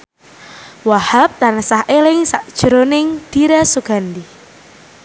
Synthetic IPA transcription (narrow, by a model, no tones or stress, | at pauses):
wahap̚t̪ansahʔelɪŋsaʔd̥ʒ̥ɾonɪŋd̪̥iɾasuɡ̥a̤nd̪i